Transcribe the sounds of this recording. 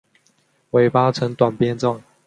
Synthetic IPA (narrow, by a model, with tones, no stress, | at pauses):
we˧˥ɪpa˥t͡sʰɤ˧˥ŋt̪wa˨˩npjɛ˥nʈ͡ʂɑ˥˨ŋ